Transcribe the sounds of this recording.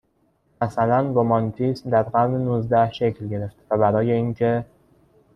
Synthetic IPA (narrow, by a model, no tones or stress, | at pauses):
mæsælænɡomɒnt̪ʰismd̪æɾɢæɾnenuzd̪æhʃe̞cʰlɟe̞ɾe̞ft̪væbæɾɒːje̞iːncʰe̞